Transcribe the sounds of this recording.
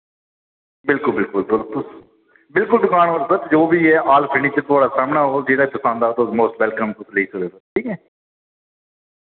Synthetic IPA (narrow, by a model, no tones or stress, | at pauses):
bɪlkʊlbɪlkʊlt̪ʊlt̪ʊs | bɪlkʊld̪ʊkaːnɦoːɾsət̪d͡ʒoːbiːɛːʔaːlpʰɪɳiːt͡ʃət̪ʊaːɽaːsaːmnaːɦoːd͡ʒeːɽaːkʊsãːnd̪aːt̪omoːsʈʋɛːlkəmt̪ʊsleiːsədeːsək̚ʈʰiːkɛː